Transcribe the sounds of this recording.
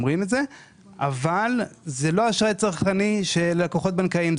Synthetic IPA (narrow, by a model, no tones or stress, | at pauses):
mʁimetze̞ | avalzelo̞aʃʁajt͡saʁχaniʃe̞lelakoχo̞t̪̚bankaim